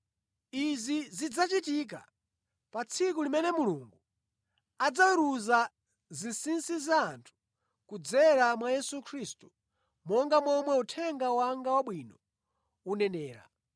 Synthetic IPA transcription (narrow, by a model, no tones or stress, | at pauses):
izizid͡zat͡ʃitik̬a̰ | pat͡sʰikulimɛnɛmuluŋɡu | ad͡zawuɾuza | zisinsizaːntʰu̥ | kud͡zɛɾamwajɛsukʰɾistu̥ | mɔŋɡamwɔmwɛutʰɛŋɡawaŋɡawaɓwinɔ | unɛnɛːɾa̰